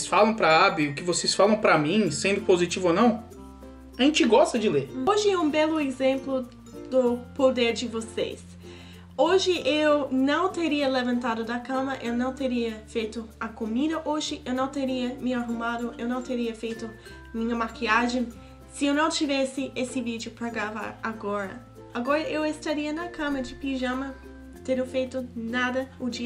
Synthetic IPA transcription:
sfalɐ̃w̃pɾɐabɪʊkɪvosesfalɐ̃w̃pɾɐmĩsẽnd̪ʊpozit͡ʃivonɐ̃w̃ | aʒẽnt͡ʃɪɡɔst̪ɐd͡ʒɪleɾoʒɪɛũbɛlʊezẽmplʊ | d̪ʊpod̪eɾd͡ʒɪvosḛs | oʒɪʔewnɐ̃w̃t̪eɾiɐlevɐ̃nt̪ad̪ʊd̪ɐkɐ̃mɐʔewnɐ̃w̃t̪eɾiɐfejt̪ʊɐkomid̪ɐʔoʒɪʔewnɐ̃w̃t̪eɾiɐmɪaɦumad̪ʊʔewnɐ̃w̃t̪eɾiɐfejt̪ʊ | mĩɲɐmakiaʒẽ | sɪewnɐ̃w̃t͡ʃivɛsɪesɪvid͡ʒɪʊpɾɐɡɾava̰ɾaɡɔɾɐ̰ | aɡɔɾɐʔewest̪aɾiɐnɐkɐ̃mɐd͡ʒɪpiʒɐ̃mɐ | t̪eɾofejt̪ʊnad̪ɐʊd͡ʒi

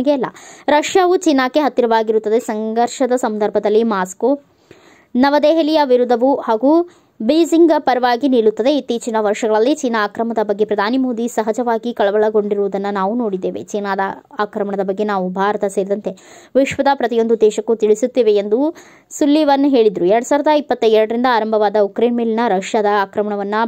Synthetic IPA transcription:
ɡeɛlːɐ̰ɾɐʂjaːʋut͡ʃinːaːkːeɦɐt̪ːiɾɐʋaːɡiɾut̪ːɐd̪e̞sɐŋɡɐɾʂɐd̪ɐsɐnd̪ʱɐɾbʱɐd̪ɐlːimaːsku | nɐʋɐd̪eːɦɐlijɐʋiɾud̪ʱːɐʋuhaːɡu | biːd͡ʒiŋɡpɐɾɐʋaːɡiniːɭut̪ːɐd̪e̞it̪ːiːt͡ʃinɐʋɐɾʂɐɡɐɭɐlːit͡ʃiːnaːkɾɐmɐd̪ɐbɐɡːe̞pɾɐd̪ʱaːnimoːd̪isɐɦɐd͡ʒɐʋaːɡikɐɭɐʋɐɭɐɡo̞ɳɖiɾuʋud̪ɐnːɐnaːʋunoːɽid̪ːeːʋet͡ʃiːnaːd̪ɐaːkɾɐmɐɳɐd̪ɐbɐɡːe̞naːʋubʱaːɾɐt̪ɐseːɾid̪ɐnt̪e̞ | ʋiʂʋɐd̪ɐpɾɐt̪ijo̞nd̪ud̪ːɛːʃɐkːut̪iɭisut̪ːiːʋeːnd̪u | sulːiʋɐnːuɦe̞ːɭid̪ɾuɛɾɐɽusaːɾɐd̪ɐipːɐt̪ːɐɛɾɐɽɐɾind̪ɐaːɾɐmbʱɐʋaːd̪ɐukɾemilnɐɾɐʂjad̪ɐaːkɾɐmɐɳɐʋɐnːɐ

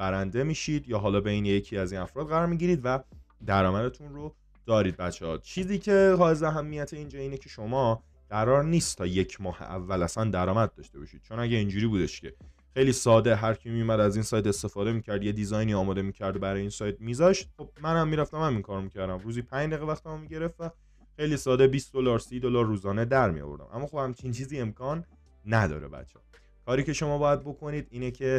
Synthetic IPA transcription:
b̥æɾænd̪e̞miːʃid̪jɒːɦɒːlɒːbeineje̞cʰiæziːnæfɾɒːd̪ɢæɾɒːɾmiɟiɾiːd̪væ | d̪æɾɒːmæd̪e̞t̪ʰunɾo̞ | d̪̥ɒːɾiːd̪̚bæt̪t͡ʃʰːeɒːt͡ʃʰiːziːcʰe̞hɒːezeæɦæmːijæt̪ʰeiːnd͡ʒɒːiːne̞cʰe̞ʃomɒː | ɢæɾɒːɾniːst̪ʰːɒːje̞cʰmɒːhḛʔæ̰vːælæsænd̪æɾɒːmæd̪̚ːɒːʃt̪e̞bɒ̰ʃid̪̥t͡ʃʰo̞næɟeind͡ʒuːɾiːbuːd̪e̞ʃcʰe̞ | xejliːsɒːd̪e̞ɦæɾcʰimijomæd̪æziːnsɒjt̪e̞st̪e̞fɒːd̪e̞miːcʰæɾd̪je̞d̪izɒjniɒːmɒːd̪e̞miːcʰæɾd̪bæɾɒjeiːnsɒːjt̪̚miːzɒʃt̪̚χo̞b̥̚mænæmːiːɾæft̪æmæmiŋkʰɒːɾomicʰæɾd̪æmɾuːzipʰæɲd̪æɣevæxt̪æmomiɟe̞ɾeft̪æ | xe̞jliːsɒːd̪ebiːsd̪olɒːɾsiːd̪olɒːɾːuːzɒːned̪æɾmijo̰vo̞̰ɾd̪æ̰mʔæ̰mːɒːxobhæmt͡ʃʰint͡ʃʰiːziːe̞mkʰɒːnː | æd̪ɒ̰ːɾḛbæ̰t̪t͡ʃʰːe | kʰɒːɾiːce̞ʃo̞mɒːbɒːjæd̪̚bo̞kʰo̞niːd̪iːnecʰe̞

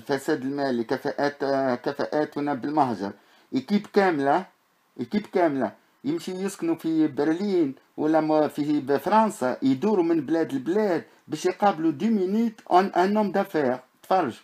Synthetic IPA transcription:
lfæsæd̪əlmælikæfæʔæt̪kæfæʔæt̪wənːæbəlmɑhʒɑ̰ɾˤ | ʔikibkæmla | ʔikibkæmla | jəmʃijəsknufibəɾlin | wə̰lːæfifɾˤɑnsɑjd̪uɾumənblæd̪əlblæd̪̚ | bæʃjqɑblud̪umənut̪nʔænːʊmd̪æfæɣt̪fɑrˤːɑʒ

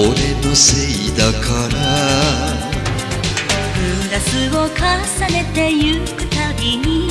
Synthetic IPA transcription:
oɾenoseid̪akʰaɾa | ɯmd̪asɨɡokʰasanet̪e̞jɯkɯt̪aɾʲiɲi

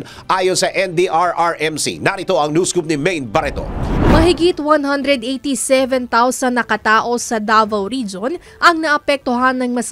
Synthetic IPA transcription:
ʔaːjonsɐʔɛnd̪iʔaɹʔaɹʔɛmsḭnɐɾɪt̪oɐŋnjuskup̚nɪmɛjnbɐɾɛt̪o̰mɐɦɪɡit̪wanɦɐnd̪ɾɛd̪ʔejt̪isɛvɛnt̪awsɐnːɐkɐt̪aːʔo̞sɐd̪aːvɐwɾid͡ʒon | ʔɐŋnɐʔɐpɛk̚t̪oɦanːɐŋmɐs

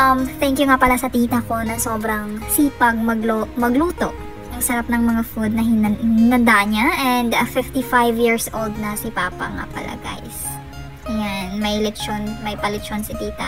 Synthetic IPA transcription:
ʔɐmt̪ɛŋkjʊŋapɐlasɐt̪iːt̪ɐko̞nɐŋsoːbɾɐŋsiːpɐɡ̚mɐɡlomɐɡluːt̪o̞ʔ | jɐŋsɐɾap̚nɐŋmɐŋafud̪̚nɐɦɪnhɪnɐnd̪aʔɲaʔɛnd̪ɐfɪft̪ifajvjiɹsʔold̪̚nɐsɪpaːpɐ̰ŋa̰pɐ̰lʔa̰ɡa̰js | janmɐjlɛkt͡ʃonmɐjpɐlɛt͡ʃonsɪt̪iːt̪ɐ̰ʔ

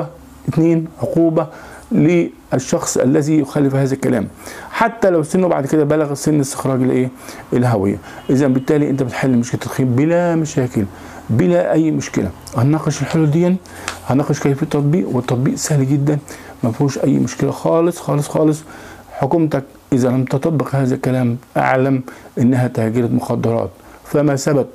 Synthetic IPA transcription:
ɪt̪neːnʕoquːbæ | lɪ | ʔæʃːɑxsˤʔæ̰lːæzijʊxælːɪfhæːzælkːælæ̰ːmħat̪ːælæwsːɪnːwba̰ʕd̪kɪd̪æbælæɣæsːɪnːɪst̪ɪ̥xɾˤɑːɡɪlʔeːʔɪlɦæwɪ̰jːæ̰ʔɪzænbɪt̪ːæːliʔɪnt̪æbɪt̪ħalːimoʃkɪlt̪ːæt̪xiːmbɪlæmæʃæːkɪl | bɪlæʔæjːmʊʃkɪ̰læ̰ | hænɑqeʃelħelud̪ejːæn | hænɑːqɑʃkæjfiːt̪ːˤɑt̪ˤbiːʔwet̪ˤːɑt̪ˤbiːʔsæhliɡɪd̪ːæn | mæfhuːʃʔæjːmʊʃkɪlæxɑːlɨsˤxɑːlesˤxɑːlɨsˤ | ħokumt̪æk̚ | ʔɪzælæmt̪ɑt̪ˤɑbːeqhæːzælkælæːmʔa̰ʕlæmʔɪnːæɦæt̪hæːɡɪɾæt̪moxɑd̪ˤːɑɾˤɑ̰ːt̪fæmæsæbæb̚

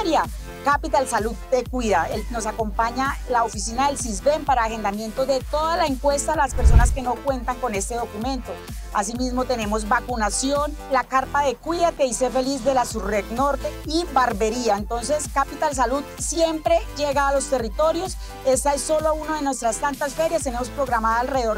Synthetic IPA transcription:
ɾja | kapit̪alsalud̪̚d̪ekwiðaelno̞sako̞mpaɲalaofisinaðe̞lsizbe̞mpaɾaːxe̞nd̪amje̞nt̪o̞zðe̞t̪o̞ðalae̞ŋkwe̞st̪alaspeɾs̬o̞naske̞no̞kwe̞nt̪aŋko̞ne̞st̪e̞ð̞o̞kumẽ̞nt̪o̞ | asimizmo̞t̪e̞ne̞mo̞zbakunasjo̞nlakaɾpaðe̞kwiðakeisefe̞lizd̪e̞lasureɡno̞ɾt̪e̞ibaɾbe̞ɾiaent̪o̞nse̞skapit̪als̬aluðsje̞mpɾe̞d͡ʒe̞ɣaːlo̞st̪e̞rit̪o̞ɾjo̞s | e̞st̪aesːo̞lounaðe̞nwe̞st̪ɾast̪ant̪asfe̞ɾjast̪e̞ne̞mo̞spɾo̞ɣɾamaðaalreeðoɾ

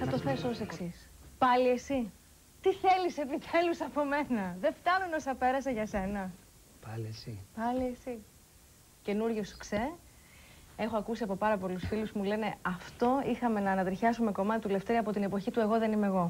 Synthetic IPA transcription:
θɐt̪o̞θe̞soose̞ksispɐlie̞si | t̪iθe̞lisepit̪ʰe̞lusɐpo̞me̞nɐðe̞ft̪ɐnuno̞sɐpe̞ɾɐseʝɐse̞nɐ | plesipɐliesi | ce̞nuɾʝosokse | e̞xoɐkusiɐpo̞pɐɾɐpo̞lusfilusmule̞ne̞ɐft̪o̞ixɐme̞nɐːnɐt̪ɾiçɐsume̞ko̞mɐt̪it̪ule̞ft̪e̞ɾiɐpot̪ine̞po̞çit̪ue̞ɣo̞ðe̞nime̞ɣo̞

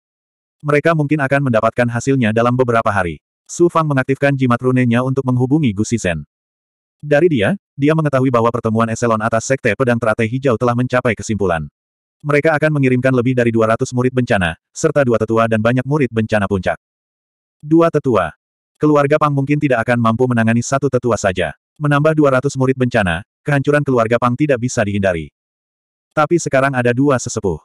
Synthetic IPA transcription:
məɾekamuŋkɪnakanməndapat̪̚kanɦasɪlɲadalambəbəɾapaɦaɾḭ | sufaŋməŋak̚t̪ifkand͡ʒimat̪runɛɲaunt̪ʊk̚məŋɦubuŋiɡustisɛn | daɾidia | diaməŋət̪aɦuibaɦwapərt̪əmuanɛsɛlɔnat̪asːɛk̚t̪ɛpədaŋt̪əɾat̪ajɦid͡ʒawt̪əlahməɲt͡ʃapajkəsimpula̰n | məɾekaːkanməŋiɾɪmkanləbɪhdaɾiduaɾat̪usmuɾɪt̪̚bəɲt͡ʃana̰ | sərt̪aduat̪ət̪uadanbaɲak̚muɾɪt̪̚bəɲt͡ʃanapuɲt͡ʃa̰k̚ | duat̪ət̪ua̰ | kəluarɡapaŋmuŋkɪnt̪idaʔakanmampumənaŋanisat̪ut̪ət̪uasad͡ʒa̰ | mənambahduaɾat̪usmuɾɪt̪̚bəɲt͡ʃana̰kəɦaɲt͡ʃuɾankəluarɡapaŋt̪idaʔ̚bisadiɦindaɾḭ | t̪apisəkaɾaŋadaduasəsəbʊh

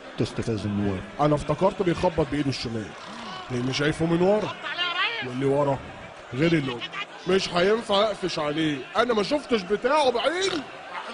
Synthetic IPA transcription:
t̪est̪æfæzɪnːowæ̰ːʔænæft̪ɑkɑɾˤt̪bejxɑbːɑt̪̚beʔeːd̪neʃːæmæːl | læʔɪnːiʃ̬æjfumɪnwɑɾˤɑwlːiwɑɾˤɑ | ɣeːɾilːoː | meʃħæjenfaʔfeʃʕaleːʔænæmæʃ̬oft̪ʃ̬bet̪aːʕobaʕiːd̪

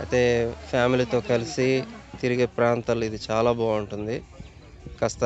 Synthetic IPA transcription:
ɐ̰t̪e̞ːpʰjaːmilit̪o̞ːkɐlisit̪iɾiɡe̞ːpɾaːnt̪aːlːuid̪it͡ʃaːlaːbaːuɳʈund̪i | kɐst̪ɐ

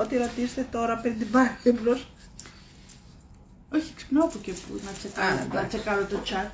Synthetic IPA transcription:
ot̪iɾot̪isest̪et̪o̞ɾɐpɾind̪ibɐlibɾos | oçieksi̥pnopocepṵnɐt͡sekɐ̰nɐt͡sekɐɾot̪ot͡ʃɐt̪

